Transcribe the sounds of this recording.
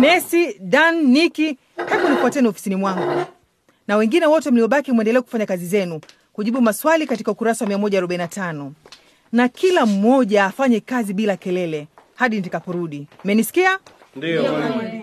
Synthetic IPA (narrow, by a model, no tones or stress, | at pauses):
mɛsiɗanːiki | hɛɓɔnifuatɛniɔfi̥sinimwaŋɡu | nawɛŋɡinɛwɔtɛm̩liɔɓakimwɛndɛlɛɛku̥faɲakazizɛnu | kuʄiɓumaswalikati̥kaukuɾasawamiamɔʄaːɾɔɓainatanɔ | nakʰilam̩mɔʄaːfaɲɛkaziɓilakɛlɛlɛ | haɗinitakapɔɾuɗim̩ɛnisi̥kia | ndi